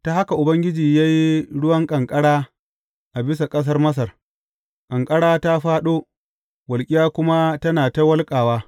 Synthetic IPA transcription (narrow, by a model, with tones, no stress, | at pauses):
ta˨ha˦ka˨ʔʊ˨bɐ˦ŋɡʲɪ˦d͡ʒiː˨jaː˦ji˦ɽʊ˦wɐ˦ŋkʼɐ˨ŋkʼɐ˦ɽaː˦ | ʔa˨bɪ˦sa˨kʼɐ˦s̬ɐ˦rmɐ˦s̬ɐ˨r | kʼɐ˨ŋkʼɐ˦ɽaː˦ta˦ɸaː˦ɗoː˦ | wɐ˨lkʲʼɪ˦jaː˦kʷʊ˦ma˦tɐ˦naː˨ta˦wɐ˦lkʼaː˨waː˦